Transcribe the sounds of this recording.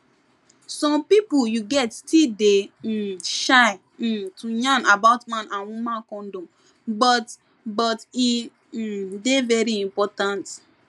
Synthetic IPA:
sɔ̃mpipujuɡɛtstide | ʃaɪ | tʰuɲãnabaʊtmãnʔãnwumãkɔ̃n̩dõ | bɔt | bɔti | devɛɾiĩmpɔtãnt

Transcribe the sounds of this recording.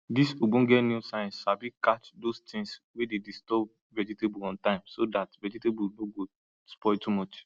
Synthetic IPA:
disoɡ͡bũn̩ɡɛnjusãɪ̃nsabikat͡ʃdostĩŋswededistɔb̚ | vɛd͡ʒitebuɔ̃ntãɪ̃msodatvɛd͡ʒitebunoɡo | spɔɪtumɔt͡ʃ

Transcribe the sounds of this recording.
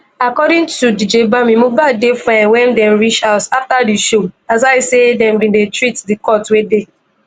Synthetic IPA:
akɔdĩŋtudid͡ʒebamĩmubadefãwɛ̃ndɛ̃mɹit͡ʃaʊtaftadiʃoazaɪsedɛ̃mbĩndetɹitdikɔtwede

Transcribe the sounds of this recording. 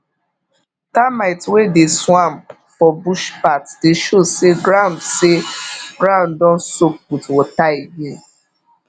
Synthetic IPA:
tamaɪtwedeswãm | fɔbuʃpatdeʃoseɡɾãndseɡɾãndɔ̃n̩sok̚k͡putwɔtaibe

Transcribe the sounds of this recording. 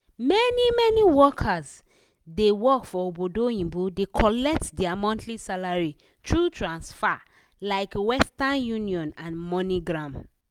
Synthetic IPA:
mɛnimɛniwɔkʰaz | dewɔkfɔobodoĩmbudekʰɔlɛk̚tdɛamɔ̃ntlisalaɹi | tʰɹutʰɹãnsfa | laɪkwɛstanjuniɔ̃nãnmɔniɡɹãm

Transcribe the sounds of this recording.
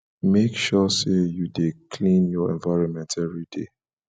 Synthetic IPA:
mekʃɔsejudekʰlĩnjɔɛ̰̃nvaɪɹɔ̃nmɛ̃ntʰɛvɹidḛ

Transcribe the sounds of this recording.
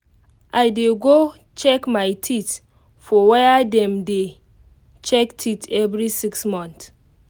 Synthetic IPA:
ʔajdeɡo | t͡ʃɛkmajtʰit | fɔwɛdɛ̃mde | t͡ʃɛktʰitɛvɾisiksmɔ̃nt

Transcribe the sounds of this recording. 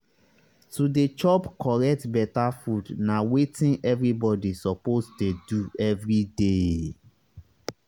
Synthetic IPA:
tudet͡ʃɔpkɔɹɛk̚tbɛtafudnawetĩnʔɛvɹibɔdisɔposteduɛvɹide

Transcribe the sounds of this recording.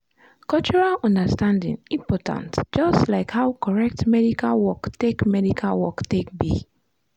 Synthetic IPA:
kɔlt͡ʃuɹalɔ̃ndəstãndḭ̃ŋĩmpɔtʰã̰ntd͡ʒɔstlaɪkhawkʰɔɹɛk̚tmɛɾikʰalwɔktekmɛdikʰalwɔktek̚bḭ

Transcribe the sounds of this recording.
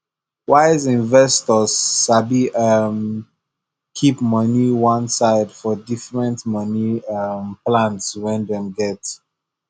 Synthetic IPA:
waɪzĩnvɛstɔzʃabiʔʌm | kʰipmʌniwʌ̃nsaɪdfɔdifɹɛ̃ntmʌniʌmplãntswɛ̃ndɛ̃mɡɛt

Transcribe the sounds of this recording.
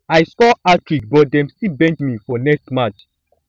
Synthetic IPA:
ajskɔatɹik̚bɔdɛ̃mstibɛ̃ntmifɔnɛkstmãt͡ʃ

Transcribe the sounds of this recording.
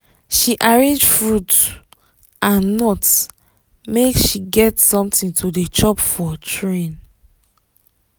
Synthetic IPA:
ʃiʔaɹẽnd͡ʒfɹut | ãnːɔt | mekʃiɡɛtsɔ̃mtĩntʰudet͡ʃɔpfɔtʰɹẽn

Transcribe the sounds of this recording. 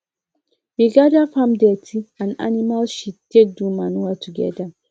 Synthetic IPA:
wiɡadafãmdɛtʰiãna̰nimalʃittek̚dumanuatʰuɡɛ̰da

